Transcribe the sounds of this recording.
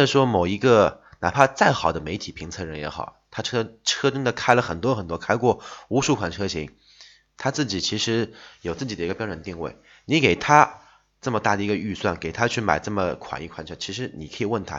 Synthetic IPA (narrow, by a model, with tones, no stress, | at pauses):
wə˥˧nə˩ʂwɔ˥mo˨˩ʊi˧˥ɡə˧na̰˨˩pʰa˥t͡sa˥˩ɪxɑ˨˩ʊd̪ə˦me˧˥ɪt̪ʰi˨˩pʰi˧˥ŋt͡sʰɤ˥˩ɻə˧˥njɛ̰˧˥xɑ˨˩˦ʊt̪ʰa˥ʈ͡ʂʰɤ˥ʈ͡ʂʰɤ˥ʈ͡ʂə˥ŋd̪ə˨kʰa˥ɪlə˨xə˨˩nt̪wɔ˥xə˨˩nt̪wɔ˥kʰa˥ɪkwɔ˥˩u˧˥ʂu˥˩kʰwa˨˩nʈ͡ʂʰɤ˥ɕi˧˥ŋ | t̪ʰa˥t͡sɹ̩˥˩t͡ɕi˨˩t͡ɕʰi˧˥ʂɻ̩˧˥jo˨˩ʊt͡sɹ̩˥˩t͡ɕi˨˩d̪ə˦i˧˥ɡə˧pjɻə˧˥nt̪i˥˧ŋwe˥˩ɪ | ni˧˥ke˨˩ɪt̪ʰa˥ | ʈ͡ʂɤ˥˩mə˩t̪a˥˩d̪ə˩i˧˥ɡə˧y˥˧swa˥˩nke˨˩ɪt̪ʰa˥t͡ɕʰy˥˩ma˨˩ɪʈ͡ʂɤ˥˩mə˩kʰwa̰˨˩ni˥˩kʰwa˧˥nʈ͡ʂʰɤ˥t͡ɕʰi˧˥ʂ̬ɻ̩˧˥ni˨˩kʰɤ˧˥i˨˩wə˥˩nt̪ʰa̰˥